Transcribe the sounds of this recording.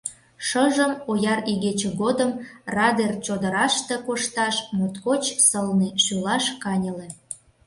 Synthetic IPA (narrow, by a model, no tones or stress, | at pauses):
ʃəʒəmojɑriɣet͡ɕeɣod̪əmrɑd̪ert͡ɕod̪əɾɑʃt̪e̽koʃt̪ɑʃmot̪kot͡ɕsəlniʃylɑʃkɑnʲəlĕ